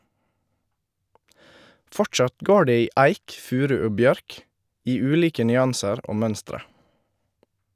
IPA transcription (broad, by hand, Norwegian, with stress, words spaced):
ˈfɔʈʃɑt ˈɡoː ˈɖeː ˈiː ˈæɪk ˈfʉːɾʉ ˈoː ˈbjœɾk ˈiː ˈʉːliːkə nʏˈɑnsəɾ ˈoː ˈmœnstɾə